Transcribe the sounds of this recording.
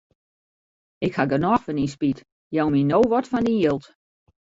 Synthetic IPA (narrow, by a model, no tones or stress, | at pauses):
ɪkhaɡənɔxfɔninspit | jɔwminoːʋɔtfɔndinjɪlˠt